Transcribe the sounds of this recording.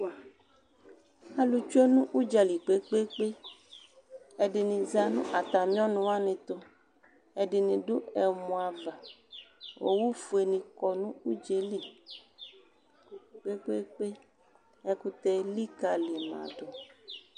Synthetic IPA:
a˦lu˨t͡ʃu˦e˦nũ˦ʔu˦d͡ʒa˨li˨k͡pe˦k͡pe˦k͡pe˦ | e˨ɖɪ˨nĩ˨za˦nṵ̃˦ʔa˨t̪a˨mĩ˦ɔ̃˦nũ˨wa˦nɪ̃˨t̪o˦ | ɛ˨ɖɪ˨nĩ˨ɖu˦ɛ˨mũ˨a˨va˨ | wʔo̰˨wu˦fu˨e˨nĩ˨kɔ˨nũ˦u˦d͡ʒe˨li˨ | k͡pe˦k͡pe˦k͡pe˦ | ɛ˦ku˦t̪ɛ˦li˦ka˨li˨mã̰˨ɖo˨

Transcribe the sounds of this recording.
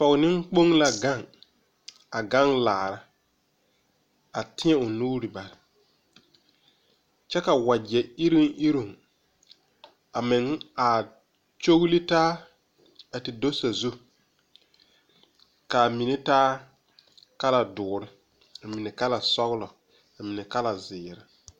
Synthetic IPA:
fɔ˨ɣnɪ˦ŋ˦k͡po˦ŋla˨ɡa˦˨ŋ | a˨ɡa˦ŋlaː˨ɾa˦ | a˨tɪ˦ɛ˦ʊ˨nuː˦ɾi˨ba˨ɾɪ˨ | t͡ʃɛ˦ka˨wa˨d͡ʒɛ˨ɪ˦ɾi˦ŋ˦ʔi˦ɾu˨ŋ | a˨mɪ˨ŋa˨ | t͡ʃo˦ɣli˦taː˦ | a˨tɪ˨do˦sa˨zu˦ | ka˨mi˨ne˦taː˦ | ka˦la˨dʊː˨ɾɪ˦ | a˨mi˨ne˨ka˦la˨sɔ˦ɣlɔ˨ | a˨mi˨nɛ˨ka˦la˨zɪː˨ɾɪ˦

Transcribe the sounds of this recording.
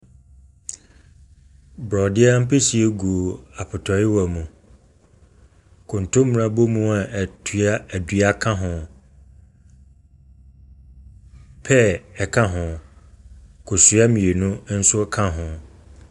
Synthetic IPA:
bɾɔ˨dɪ˦ɛ˦m̩˦pʰe˦si˨e˦ɡu˨a˨pʰʊ˨tʰɔ˨ɪ˦wa˨mũ˨ | kʰʊ̃˨n˨tʰʊ̃˦m˨ɾã˨bo˦mũ˦a˨tʰɥa˦æ˨dɥa˦kʰã˦ɦʊ̃˨ | pʰɛ˦ɛ˨kʰã˦ɦʊ̃˨ | kʰʊ˨su˨˦a˦mĩ˨e˨nʊ̃˦n̩˦sʊ˦kʰã˦ɦʊ̃˨

